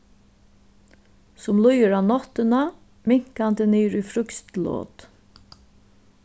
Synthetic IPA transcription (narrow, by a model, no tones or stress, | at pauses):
sʊmlʊjəɹaːnɔt̪əna | mɪŋ̥kand̪əniːɾʏːfɾʏkst̪lo̰ːt̪